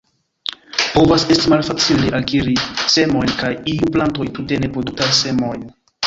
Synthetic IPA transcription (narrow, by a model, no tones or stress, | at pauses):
po̞vase̞stimalfat͡sileʔakiɾise̞mo̞jnkajiuplanto̞jtute̞ne̞pɾo̞duk̚tajse̞mo̞jn